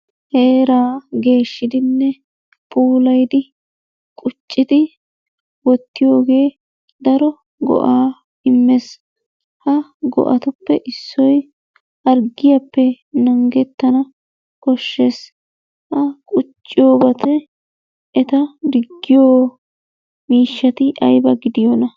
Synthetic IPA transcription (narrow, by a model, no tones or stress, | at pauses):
heːɾaːɡe̞ːʃːɪd̪ɪnːɛ | pʰuːlɐjd̪ɪ | kʼʊt͡ʃʼːɪd̪ɪ | wɔt̪ːɪjo̞ːɡe̞ː | d̪ɐɾɔ | ɡɔ̰ʔaː | ɪmːɛs | hɐɡɔ̰ʔɐ̰t̪ʊpːɛʔɪsːɔj | ɐɾɡɪjɐpːɛ | nɐŋɡɛt̪ːɐnɐ | kɔʃːes | hɐkʼʊt͡ʃʼːɪjoːbɐt̪ʰɛː | t̪ɐd̪ɪɡːɪjoː | miːʃːɐt̪ɪʔɐjbɐɡɪd̪ɪjɔnɐ